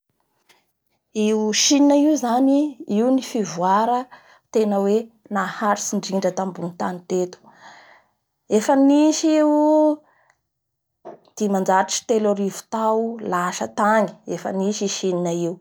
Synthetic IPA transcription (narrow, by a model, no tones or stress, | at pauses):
iwuʃininaiuzaniiunifivwaɾə | t̪enəwe | nahaɾisiɳɖ͡ʐiɳɖ͡ʐət̪ambunit̪anit̪et̪u̥ | efəniʃi | d̪̥imand͡ʒaɾaʈ͡ʂi̥t̪eloɾivu̥t̪awlaʃət̪aŋi̥efə̰niʃiʃininaiw